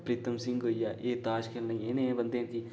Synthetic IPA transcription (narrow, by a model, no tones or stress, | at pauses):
pɾit̪ɐmsiŋɡojaʔeːt̪aːʃkelnɐeːneːʋɐnd̪eːnk̪i